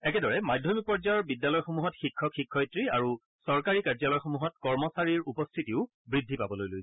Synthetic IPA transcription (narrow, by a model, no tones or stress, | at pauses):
ɛkɛdɔɹɛmajdʱjɔmipɔɹzajɔɹbidjalɔjxomuɦɔtxikʰːɔxikʰːɔjtɹiaɹu | sɔɹkaɹikaɹzalɔjxomuɦɔtkɔɹmɔsaɹiɹupɔstʰitiʊ | bɹidʱːipabɔlojlojsɛ